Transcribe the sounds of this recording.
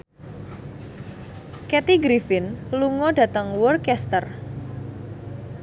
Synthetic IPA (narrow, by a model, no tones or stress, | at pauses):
kɛt̪iɡɾifɪnluŋɔd̥ä̤t̪əŋwɔrkɛst̪ər